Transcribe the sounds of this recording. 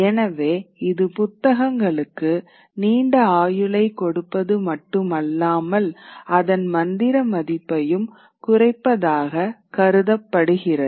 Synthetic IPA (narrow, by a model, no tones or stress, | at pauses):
ɛnɐʋeːɪðɯpʊt̪ːɐɣɐŋɡɐɭɯkːɯ | niːɳɖɐaːjɯɭɐɪkːɔɽɯpːɐðɯmɐʈːɯmɐlːaːmɐlɐðɐnmɐnd̪ɪɾɐmɐðɪpːɐjɯm | kʊrɐɪpːɐðaːɣɐkɐɾɯðɐpːɐɽɯɣɪrɐðɯ